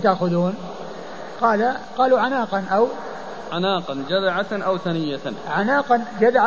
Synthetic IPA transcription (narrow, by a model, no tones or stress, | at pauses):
t̪aʔxʊðuːn | qɑːlaqɑːluʕanaːqɑnʔaw | ʕanaːqɑnd͡ʒad̪ʕaʔawθanɪjːaʕanaːqɑnd͡ʒad̪ʕa